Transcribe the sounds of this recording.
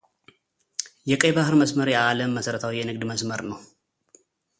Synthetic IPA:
jɛkʼəjbahɨɾməsməɾjɛaləmːəsəɾət̪ʰawijɛnɨɡ̚d̪məsməɾnəw

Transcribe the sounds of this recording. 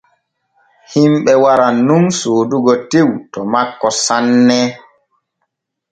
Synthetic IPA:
himɓɛwaɾanunsoːduɡɔtewtɔmakːɔsanːɛ

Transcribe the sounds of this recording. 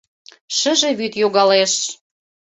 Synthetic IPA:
ʃə̆ʒĕβyt̪joɣɑleʃ

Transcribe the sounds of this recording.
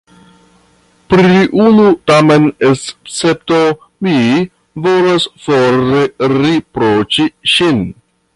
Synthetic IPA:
pɾiʔunutamenest͡sep̚to | mi | volasfoɾeɾipɾot͡ʃiʃin

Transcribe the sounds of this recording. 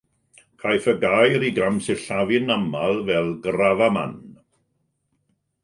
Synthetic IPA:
kʰajθəɡajɾiɡɾamsɪɬavɪnamalˠvɛlˠɡɾavama̰n

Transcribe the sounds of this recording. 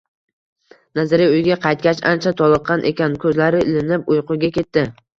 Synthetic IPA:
nazɪɾɪʊjɡʲaqʰɑjt̪̚kʲat͡ʃa̰nt͡ʃʰat̪ʰɒlˠɨqːɑnʔḛkʲankʲʰɵzlaɾɪɪlɪnɪpʊjqʰʊɡʲakʲe̞t̪ːɪ

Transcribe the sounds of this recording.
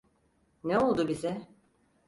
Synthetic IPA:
neolˠd̪ʊbizɛ

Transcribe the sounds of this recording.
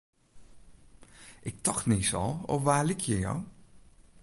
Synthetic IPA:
ʔɪk̚tɑχtnɪsɑ̰lˠɔ̰fʋaːlɪkʰjəjɔ̰w

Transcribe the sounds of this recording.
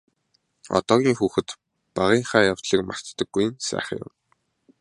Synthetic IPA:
ɔ̰t̪ɔːɣʲiːŋxuːxɘ̆t̪ | paʁiːɴχaːjaw̥t̪ɮiːkma̰r̥t̪ːə̆ɡːuj̆nsæ̰ːχə̰̆ŋjʊ̰m

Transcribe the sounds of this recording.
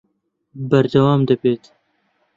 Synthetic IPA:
bɐɾd̪ɐwaːmd̪ɐbeːt̪

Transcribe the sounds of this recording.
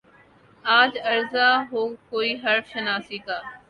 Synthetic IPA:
aːd͡ʒɐɾzaːɦoːkoːiːɦɐɾʃənaːsiːkaː

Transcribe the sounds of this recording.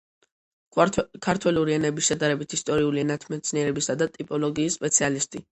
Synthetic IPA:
kʰaɾt̪ʰwɛluɾiɛnɛbisʃɛd̪aɾɛbit̪ʰist̪ʼɔɾiuliɛnat̪ʰmɛt̪sʰniɛɾɛbisad̪at̪ʼipʼɔlɔɡiːsːpʼɛt̪sʰialist̪ʼi

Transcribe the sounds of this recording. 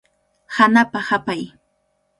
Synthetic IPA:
hanapahapaj

